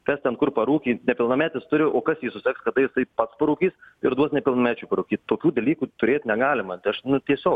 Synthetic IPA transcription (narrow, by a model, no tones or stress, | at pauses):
kɛst̪ʲɛnkʊrpɐɾuːkʲiːnʲɛpʲɪlˠnɐmʲæːt̪ʲɪst̪ʊɾʲɪʔoːkɐsjiːsʊsʲɛkskɐd̪ɐjɪst̪ɐɪpɐt̪spɐɾuːkʲiːsɪɾd̪uɔsnʲɛpʲɪlˠnɐmʲæːt͡ʃʲuːpɐɾuːkʲiːt̚ʲt̪oːkʲuːd̪ɐlʲiːkuːt̪ʊɾʲeːt̪ʲnʲɛɡɑːlʲɪmɐt̪ɪɐʃnʊt̪ʲiɛsʲoːk